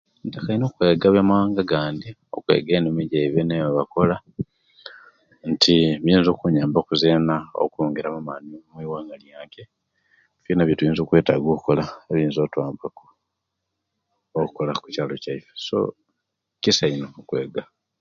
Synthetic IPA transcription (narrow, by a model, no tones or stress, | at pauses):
entakajinokwe̞ːɡaβjamawaːŋɡaɡaːndi | o̞̰kwe̞̰ːɡeːnimiɟeiβeneβako̞la | ntʰimiːnzokuɲaːmbaokuzeːnao̰kuoːŋɡeɾamamanimwiːwaŋɡaljaːŋke | ufinaβjotujiːnzoːkwe̞ːtaɡokuko̞laeβiːnzoːtwaːmbako̥ | oku̥kolaku̥caːlo̞caife̥so̰ | cisainokwe̞ːɡa